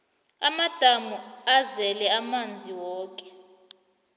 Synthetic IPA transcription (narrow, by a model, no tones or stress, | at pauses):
amad̥ʱamuazɛlɛamand͡zʱiwɔːkʼɛ̥